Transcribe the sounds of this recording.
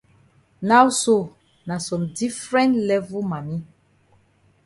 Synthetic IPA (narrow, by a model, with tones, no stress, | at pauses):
na˦wso˦˨ | na˨sɔ̃˨mdi˦fɹɛ̃˦ntlɛ˦vu˦ma˨mi˦